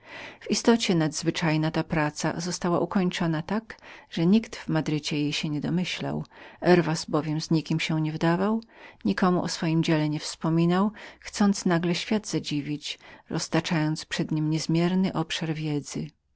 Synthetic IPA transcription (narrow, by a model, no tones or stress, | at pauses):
v̥ist̪ɔt͡ɕɛnad̪zvɘt͡ʂajnat̪apɾat̪sa̰zɔst̪awaʔukɔɲt͡ʂɔnat̪akʐ̥ɛɲikt̪vmad̪ɾɘt͡ɕɛjejɕɛɲɛd̪ɔmɘɕla̰wʔɛɾvasbɔvʲjɛmzɲikʲimɕɛ̃ɲɛvd̪avawɲikɔmuʔɔsfɔjimd͡ʑɛlɛɲɛfspɔmʲinawxt̪sɔnt̪snaɡlɛɕfʲjad̪zad͡ʑivʲit͡ɕɾʔɔst̪at͡ʂajɔnt̪spʂɛd̪ɲimɲɛzmʲjɛɾnɘʔɔpʂaɾvʲjɛd̪zɘ